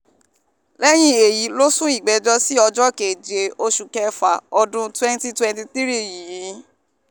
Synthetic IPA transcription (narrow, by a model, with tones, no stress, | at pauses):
lɛ˦j̃ĩ˦e˨ji˨˦lo˦sũ˦i˦˨ɡ͡bɛ˨˦d͡ʒɔ˦si˦ɔ˧d͡ʒɔ˦ke˨d͡ʒe˧o˧ʃu˨kɛ˧fa̰˨ɔ˧dũ˧twɛ̃˦n˦ti˦twɛ̃˧nti˧ti˦ɾi˦ji˨jĩ˨˦